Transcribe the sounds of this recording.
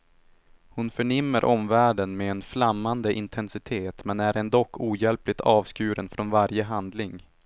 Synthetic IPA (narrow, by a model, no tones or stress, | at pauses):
hʊnfœɳɪmːəɾʔɔmvæːɖənmɛːnflamːand̪əʔɪnt̪ʰɛnsɪt̪ʰeːt̪mɛnæɾɛnd̪ɔkʰːuːjɛlplɪt̪ʰɑːvskʉ̟ːɾənfɾɔnvaɾjəɦand̪lɪŋ